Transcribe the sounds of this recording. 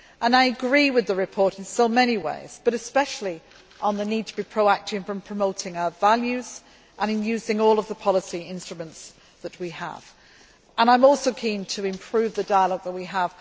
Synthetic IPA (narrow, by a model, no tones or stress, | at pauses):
ʔə̃naɪəɡɹiwɨðəɹɨpʰɔɹɾɪ̃n̩soʊmɛñiwḛɪz̥b̥ʌɾɨspɛʃl̩ˠi | ʔə̃nðənid̚tʰəbipʰɹ̥oʊak̚tɪ̃ŋfɹə̃mpʰɹ̥əmoʊtʰɪ̃ŋaʊəvaljʉz̥ | ʔə̃ñɨ̃njʉːzɪ̃ŋɔːlˠʌvðəpʰɑlˠəsiɪ̃nstɹ̥əmə̃nts | ðəʔ̚wiə̰v̥ | ʔə̃ñãɪ̃mɔˑlˠsoʊkʰĩntʰəɪ̃mpʰɹ̥ʉːvðədaɪəlɔɡ̚ðəʔ̚wiəv̥